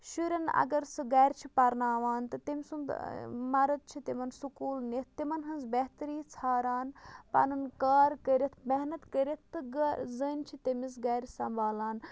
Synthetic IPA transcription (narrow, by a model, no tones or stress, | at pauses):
ʃuɾɐnɐ̰ɡɐɾsɨɡɐːɾʲt͡ʃʰipɐɾnaːʋaːnt̪ɨt̪emʲsund̪mɐɾɐd̪̚t͡ʃʰit̪imɐnsukuːlnit̪̚ʰt̪imɐnɦɐnzbɛɦt̪ɐɾiːt͡sʰaːɾaːnpɐ̰nɐnkaːɾkəɾʲɐt̪ʰmɛɦnɐt̪kəɾʲɐt̪̚ʰt̪ːɨɡzəːnt͡ʃʰit̪ɐmis̬ɡɐːɾʲsɐmbaːlaːn